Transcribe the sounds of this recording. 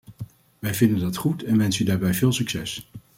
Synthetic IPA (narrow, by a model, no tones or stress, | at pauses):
ʋɛjvɪndəndɑtχutɛnʋɛnsydaːɹbɛjvɪːlˠsyksɛs